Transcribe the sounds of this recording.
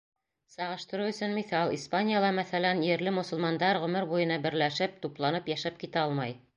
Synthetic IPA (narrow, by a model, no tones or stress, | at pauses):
sɑʁɤ̆ʃt̪ɤ̆ɾɤɵ̆sɵnmiθɑlˠispanʲijalˠɑmæθælænjɘ̆ɾlɘmŏsŏlmɑnd̪ɑɾʁɵ̆mɘɾbujɤ̆nɑbɘ̆ɾlæʃɘp̚t̪uplˠɑnɤpjæʃæp̚kit̪æɑlˠmɑj